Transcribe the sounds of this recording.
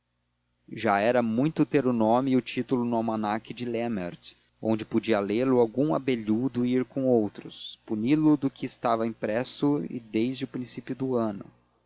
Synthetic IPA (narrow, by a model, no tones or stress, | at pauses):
ʒaɛɾɐmũj̃t̪ʊt̪eɾʊnõmɪʊt͡ʃit̪ʊlʊnʊamɐnakɪd͡ʒɪlemḛɾt̪ | õnd͡ʒɪpod͡ʒiɐlelʊawɡũa̰beʎud̪ʊiɾkõowt̪ɾʊspunilʊd̪ʊkɪːst̪avɐĩpɾɛsʊɪ̰d̪ejzd͡ʒɪʊpɾĩsipjʊd̪ʊɐ̃nʊ̰